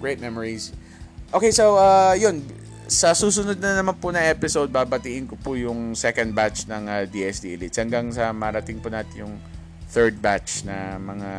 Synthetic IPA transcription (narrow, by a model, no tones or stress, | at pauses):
ɡɹejt̪̚mɛmoɹis | ʔokejsowʔajon | sɐsuːsʊnod̪̚nɐnɐmanpʊnɐŋʔɛpɪsowd̪̚baːbɐt̪iʔɪnkopʊjʊŋsɛkɐnd̪̚bat͡ʃnɐŋad̪iʔɛsd̪ḭʔlɪt̪shɐŋɡaŋsɐmɐɾɐt̪ɪŋpʊnaːt̪ɪnjʊŋ | θɛɹd̪̚bat͡ʃnɐ̰mɐŋa